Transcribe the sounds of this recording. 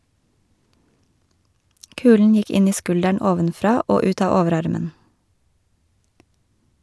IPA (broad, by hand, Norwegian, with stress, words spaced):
ˈkʉːln̩ ˈjɪk ˈɪn ˈiː ˈskʉldæɳ ˈoːʋənˌfɾɑː ˈoː ˈʉːt ˈɑː ˈɔʋəˌɾɑɾmən